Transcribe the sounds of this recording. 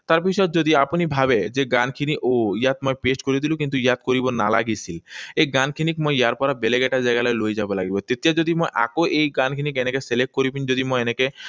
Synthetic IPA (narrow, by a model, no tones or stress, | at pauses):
t̪aɾbiʃɔed͡ʑod̪iapunibʱabed͡ʑeɡankʰiniʔojat̪moepesʈkoɾed̪ilukint̪ujat̪̚koɾibona̰la̰ɡit͡ɕʰilejɡankʰinikmoejaɾpɔɾabeleɡɛʈad͡ʑaeɡalɔelojd͡ʑabolaɡibot̪et̪ijad͡ʑod̪imojʔa̰koʔejɡankʰinikenekeselek̚ʈ̚koɾibind͡ʑod̪imojeneke